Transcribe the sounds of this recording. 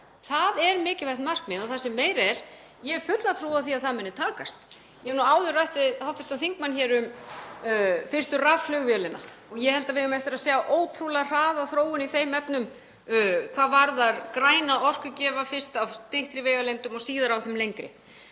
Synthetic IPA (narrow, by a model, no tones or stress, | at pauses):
θaðɛɾmɪːcɪvajht̪mar̥kmɪnɔθasɛmːeːjɾɛɾ̥ | jɛfʏt̪lat̪ʰɾuːaðθiaðθaðmɛnːɪt̪ʰaːkast̪ | jɛnuaːwðʏraɥht̪ɪhawt̪vast̪aθiŋkmançɛːɾʏm | fɪrst̪ʏraðflœɣvjɛːlɪnːa̰ | ɔɣjɛhɛlt̪avɪðʏmɛft̪ɪɾaðseːɣaʔoːwt̪ʰɾuːlɛɣar̥aːðaθɾoːwʏniθejmɛpnʏmː | kʰv̥aːðvaɾðaɾkɾaːjnaɔr̥kʏcɛːvafɪr̥st̪awt̪ɪht̪ɾɪveːjɣalejnt̪ʏmɔɣsiːðaɾawθɪmlejŋkɾɪ̰